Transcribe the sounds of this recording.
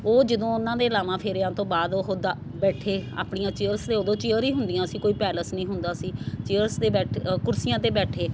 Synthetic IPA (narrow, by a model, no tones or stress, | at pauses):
oːd͡ʒɪd̪õːʊnãːd̪eːəlaːʋãːpʰɪɾãːt̪õːbaːd̪oɦoːd̪aː | bɛːʈʰeːa̰ːpɳijãːt͡ʃeːəɾst̪eːoːd̪õːt͡ʃɪːəɾiːɦʊnd̪ɪjãːsiːkoːiːpɛːləsnĩːɦʊnd̪aːsiːt͡ʃeːəɾst̪eːbɛːʈkʊɾsijãːt̪eːbɛːʈʰeː